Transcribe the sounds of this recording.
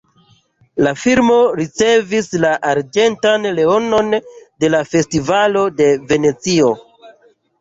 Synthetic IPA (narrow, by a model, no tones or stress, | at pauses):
lafilmo̞ɾit͡se̞vislaʔaɾd͡ʒe̞ntanle̞o̞no̞nde̞lafe̞stivalo̞de̞ve̞ne̞t͡sio̞